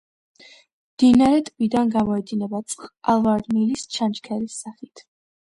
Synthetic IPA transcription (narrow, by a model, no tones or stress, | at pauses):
md̪̥inaɾɛt̪ʼvid̪anɡamɔɛd̪inɛbat̪sʼχalˠvaɾnilist͡ʃʰant͡ʃkʰɛlisːaχit̪ʰ